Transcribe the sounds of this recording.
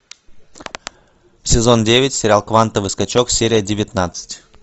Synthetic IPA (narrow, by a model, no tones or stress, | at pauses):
fsʲɪzo̞ndʲevʲɪtʲsʲɪɾʲalˠkvant̪əvɨskat͡ɕoksʲeɾʲɪjədʲɪvʲɪt̪nat̪sɨ̥tʲ